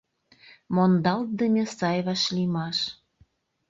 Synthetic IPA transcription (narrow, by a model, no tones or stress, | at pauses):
mond̪ɑlt̪̚d̪əmʲĕsɑjβɑʃlimɑʃ